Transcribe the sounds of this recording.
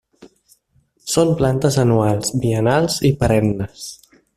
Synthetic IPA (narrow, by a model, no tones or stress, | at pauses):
somplant̪əzənualˠzbiənalˠzipəɾɛmnəs